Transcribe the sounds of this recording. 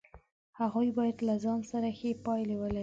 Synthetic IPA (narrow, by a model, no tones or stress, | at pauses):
haɣujbɑjad̪lazɑnsaɾaxepɑjlewəle